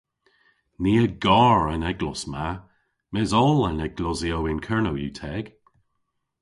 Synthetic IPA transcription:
niːəɡɔːɹənɛɡlɔsma | mɛzɔlənɛɡ̥lɔziowɪnkʰɛɹnowjuːtʰɛɡ̥

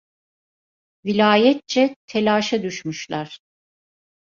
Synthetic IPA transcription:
vilʲaːjɛt̪̚t͡ʃɛt̪ʰelʲaːʃad̪yʃmyʃlˠaɾ̥

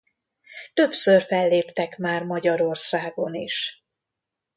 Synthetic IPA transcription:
t̪ø̞psørfɛlːeːpt̪ɛkmaːrmɒɟɒɾo̞rsaːɡo̞niʃ

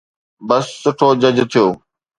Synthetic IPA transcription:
bɐsːʊʈʰoːd͡ʑəd͡ʑt̪ʰijoː

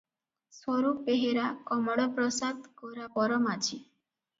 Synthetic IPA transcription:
swɔɾupeɦeɾakɔmɔɽɔpɾɔsad̪kɔɾapɔɾɔmat͡ʃʰi

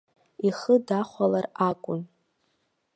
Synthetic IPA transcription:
iχədaχʷalarakʷʼʊn

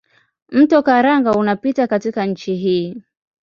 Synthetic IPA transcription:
m̩tɔkaɾaŋɡaunapitakatikanɲ̩t͡ʃiɦiː

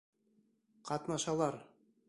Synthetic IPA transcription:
qɑt̪nɑʃɑlˠɑɾ

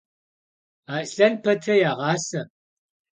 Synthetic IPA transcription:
aːɬɐnpʰɐtʰɐjaːʁɑːsɐ

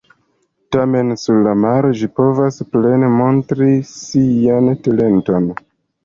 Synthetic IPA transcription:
tame̞nsuɾlamaɾo̞d͡ʒipo̞vasple̞nemo̞ntɾisiantale̞nto̞n

